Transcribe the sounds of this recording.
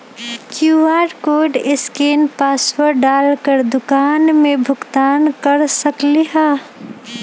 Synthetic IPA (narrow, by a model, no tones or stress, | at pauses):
kjuaːɖkoːɖɪskeːnpaːswəɾɖaːlkəɾd̪ʊkaːnmẽbʱʊɡt̪aːnkəɾsəkleɦaː